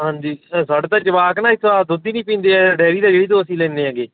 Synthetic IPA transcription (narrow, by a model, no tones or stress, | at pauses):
ɦãːnd͡ʒiːsaːɖt̪aːd͡ʒəʋaːknaːɪt̪ʰːoaːd̪ʊd̪iːnĩːpĩːnd̪eːɛːɖɛːɾiːd̪aːd͡ʒeːɽiːd̪oːəsĩːlɛ̃ːneːãːɡeː